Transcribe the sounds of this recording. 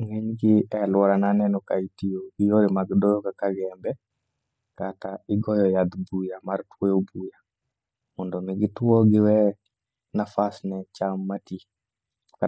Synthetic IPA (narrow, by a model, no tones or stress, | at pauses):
ŋɛɲɡɪɛlwɔɾananɛnɔkaitioɡɪjoɾemaɡdɔjɔkakaɡɛmbɛ | kataɪɡɔjɔjad̪bujamaɾtwɔjobuja | mɔndɔmɪɡɪtwɔɡɪwɛ | nafasnɛt͡ʃamːati | ka